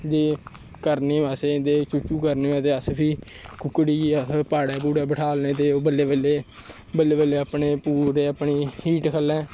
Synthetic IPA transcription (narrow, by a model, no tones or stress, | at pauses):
d͡ʒeː | kəɾneːʋaːseɪ̃nd̪eːt͡ʃʊt͡ʃuːkəɾneːɛ̃ːt̪eːəspʰiː | kʊkːɽiːəspaːɽɛːpuːɾɛːbəʈʰaːlneːt̪̬eːoːbəlːeːbəleː | bəleːbəleːəpɳeːpuːɾeːəpɳiːhiːʈkʰəlɛ̃ː